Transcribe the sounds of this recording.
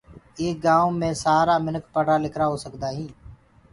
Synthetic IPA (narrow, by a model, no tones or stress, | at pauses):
eːk̚ɡãːõːmẽːsaːɾaːmɪnəkpəɽaːlɪkɾaːɦoːsəkd̪aːɦĩː